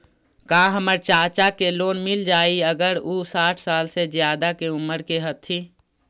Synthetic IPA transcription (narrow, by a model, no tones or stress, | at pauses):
kaãɦəməɾt͡ʃaːt͡ʃakeloːnmɪld͡ʒaːiəɡəɾuːsaːʈʰsaːlsezjaːd̪akeʊmːəɾkeɦɐt̪ʰiː